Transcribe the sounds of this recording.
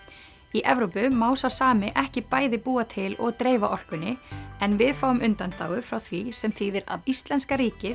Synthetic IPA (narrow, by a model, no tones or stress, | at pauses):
iʔɛvɾowpʏmaːwsawsaːmɪʔɛhcɪpaːjðɪpuːat̪ʰɪlɔɣt̪ɾeːjvaʔɔr̥kʏnːɪɛnvɪðfaːwʏmʏnt̪ant̪a̰ːwɣʏfɾawθvisɛmθiːðɪɾa̰ðist̪lɛnskaɾiːcɪ